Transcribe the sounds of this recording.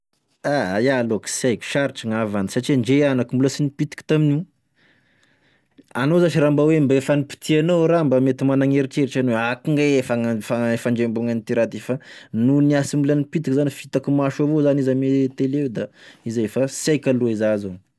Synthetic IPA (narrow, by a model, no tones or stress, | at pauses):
ajaloksajkʲi̥ʃaɾiʈ͡ʂiŋavanisaʈ͡ʂiaɳɖ͡ʐeanakimbuləsinipit̪i̥kʲi̥t̪aminiu | anozat͡ʃiɾambawembaefanipi̥t̪ʰianowɾambamet̪imanaŋeɾiʈ͡ʂeɾit͡ʃanoweakiŋɡeefaŋfaefaɳd͡ʒembuŋanit̪iɾat̪efanuniasimulənipit̪ikizanifit̪akumaʃavozanizamet̪eled̪aizefasajkʲaluizazo